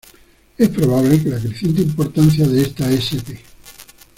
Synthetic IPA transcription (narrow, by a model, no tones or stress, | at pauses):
espɾoβ̞aβlekelakɾeθje̞nt̪̬eimpo̞ɾt̪an̟θjaðeest̪aesepe